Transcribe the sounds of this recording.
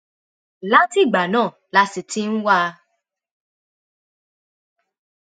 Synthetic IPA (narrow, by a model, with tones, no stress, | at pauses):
la˦ti˦˨ɡ͡ba˨nãː˦˨ | la˧si˨ti˦n̩˦wa˦